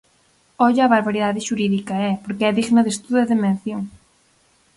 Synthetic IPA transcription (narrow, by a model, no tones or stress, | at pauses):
ɔʎːβaɾβaɾiðaðɪʃuɾiðikɐɛpoɾkɪɛðiɣnɐðest̪uðɐðemẽn̟θjoŋ